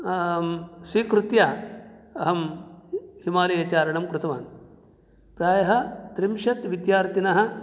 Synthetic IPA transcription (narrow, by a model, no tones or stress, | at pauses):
sʋiːkɾut̪jaːɐɦɐm | himaːlɐjɐt͡ʃaːɾɐɳɐmkɾut̪ɐʋa̰ːn | pɾaːjɐɦɐt̪ɾimʃɐt̪ʋid̪jaːɾt̪inɐɦɐ̆